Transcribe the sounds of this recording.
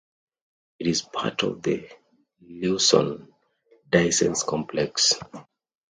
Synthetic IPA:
iɾizpʰa̰tɔ̰vðə | lusɔ̰̃n | daɪsɛ̰̃nskʰɔ̃mpʰlɛks

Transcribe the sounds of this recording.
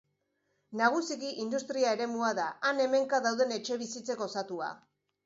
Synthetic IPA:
naɣ̞usiɣiʔind̪ust̪ɾiae̞ɾe̞muaðaːne̞me̞ŋkaðawðe̞ne̞t͡ʃe̞β̞isit͡se̞ko̞sat̪ua̰

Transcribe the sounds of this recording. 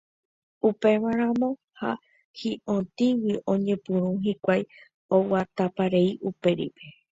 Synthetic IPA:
upe̞ʋaɾ̃ãmõ̞ | ha̰ | hiʔõt̪iwiʔõ̞ɲẽ̞pɨ̃ɾũɦikʷaj | owat̪apaɾeiʔupe̞ɾḭpe

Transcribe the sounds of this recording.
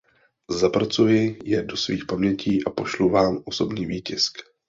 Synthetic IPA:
zapɾat͡sujɪjɛdo̞svḭːxpamɲɛciːʔapo̞ʃluvaːmʔo̞so̞bniːviːcɪsk

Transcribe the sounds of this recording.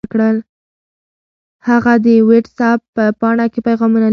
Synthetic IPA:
kɽəl | haɣad̪əweɖsɑpːəpɑɳɑkepajɣɑmunal

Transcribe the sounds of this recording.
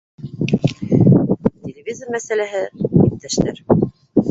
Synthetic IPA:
t̪ʲelʲɪvʲizərmæsælæɦɘjæk̚t̪ːæʃt̪æɾ

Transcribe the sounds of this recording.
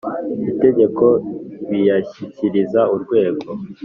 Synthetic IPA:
ite̞ɟe̞ko̞βijaçiciɾizauɾɡwe̞ːɡo̞

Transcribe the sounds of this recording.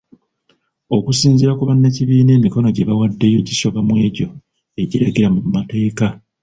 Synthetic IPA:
o̞kusiːnziɾakuβanːe̞ciβiːne̞ːmiko̞no̞ɟeβawadːe̞jo̞ɟiso̞βamwe̞ːɟo̞ | e̞ɟiɾaɡe̞ɾamumate̞ːka

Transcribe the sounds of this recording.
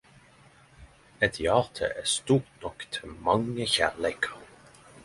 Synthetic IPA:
ətjɑːʁtʰə̰ʔɪstuːʁnɔktʰəmɑŋəçælɛkʰəʁ

